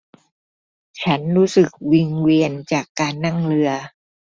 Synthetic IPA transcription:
t͡ɕʰa˦˥nɾuː˦˥sɯ˨˩k̚wi˧ŋwi˧ənt͡ɕaː˨˩kːaː˧nːa˥˩ŋɾɯ˧ɐ

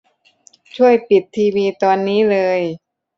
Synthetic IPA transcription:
t͡ɕʰu˥˩əjpi˨˩t̪ʰːiː˧wiː˧t̪ɔː˧nːiː˦˥lɤː˧j

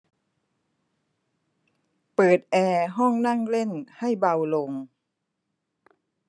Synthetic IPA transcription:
pɤː˨˩t̪̚ʔɛː˧ɦɔ˥˩ŋna˥˩ŋle˥˩nha˥˩jba˧wlo˧ŋ

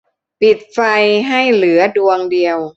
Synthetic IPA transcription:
pi˨˩t̪̚fa˧jɦa˥˩jlɯ˩˦ɐdu˧əŋdi˧əw

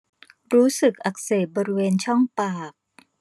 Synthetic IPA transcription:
ɾuː˦˥sɯ˨˩k̚ʔa˨˩k̚seː˨˩t̪̚bɔː˧ɾi˦weː˧nt͡ɕʰɔ˥˩ŋpaː˨˩k̚

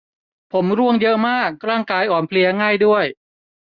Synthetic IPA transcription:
pʰo˩˦mɾu˥˩əŋjɤ˦˥ʔmaː˥˩k̚ɾaː˥˩ŋkaː˧jʔɔː˨˩npʰli˧ɐŋaː˥˩jdu˥˩əj

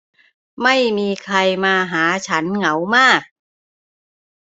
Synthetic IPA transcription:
ma˥˩jmiː˧kʰɾa˧jmaː˧ɦaː˩˦t͡ɕʰa˦˥nŋa˩˦wmaː˥˩k̚

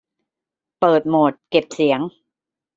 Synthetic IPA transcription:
pɤː˨˩t̪̚moː˨˩t̪̚ke˨˩p̚si˩˦əŋ

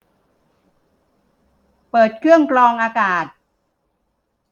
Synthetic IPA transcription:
pɤː˨˩t̪̚kʰɯ˥˩əŋklɔː˧ŋʔaː˧kaː˨˩t̪̚

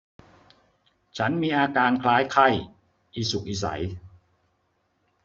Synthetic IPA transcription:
t͡ɕʰa˦˥nmiː˧ʔaː˧kaː˧nkʰlaː˦˥jkʰa˥˩j | ʔiː˧˩su˨˩k̚ʔiː˨˩sa̰˩˦j

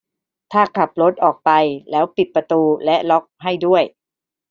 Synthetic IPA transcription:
t̪ʰaː˥˩kʰa˨˩p̚lo˦˥t̪̚ʔɔː˨˩k̚pa˧jlɛː˦˥wpi˨˩t̪̚pɾa˧t̪uː˧lɛ˦˥ʔlɔ˦˥k̚ɦa˥˩jdu˥˩əj

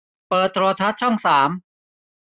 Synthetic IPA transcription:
pɤː˨˩t̪ʰːɾoː˧t̪ʰa˦˥t̪̚t͡ɕʰɔ˥˩ŋsaː˩˦m

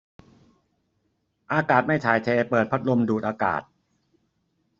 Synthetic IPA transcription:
ʔaː˧kaː˨˩t̪̚ma˥˩jt͡ɕ̪ʰaː˩˦jt̪ʰeː˧pɤː˨˩t̪̚pʰa˦˥t̪̚lo˧mduː˨˩ʔaː˧ka̰ː˨˩t̪̚

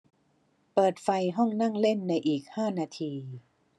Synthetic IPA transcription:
pɤː˨˩t̪̚fa˧jɦɔ˥˩ŋna˥˩ŋle˥˩nːa˧jʔiː˨˩k̚haː˥˩naː˧t̪ʰiː˧

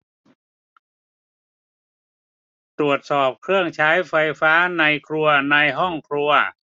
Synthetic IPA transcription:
t̪ɾu˨˩ət̪̚sɔː˨˩p̚kʰɾɯ˥˩əŋt͡ɕʰaː˦˥jfa˧jfaː˦˥na˧jkʰɾu˧ɐna˧jɦɔ˥˩ŋkʰɾu˧ɐ

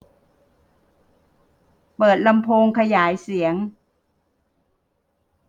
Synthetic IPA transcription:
pɤː˨˩t̪̚la˧mpʰoː˧ŋkʰa˧jaː˩˦jsi˩˦əŋ

